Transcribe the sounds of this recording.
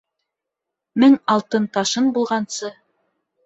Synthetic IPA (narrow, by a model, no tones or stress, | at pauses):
mɘŋɑlˠt̪ɤnt̪ɑʃɤnbulˠʁɑnsɤ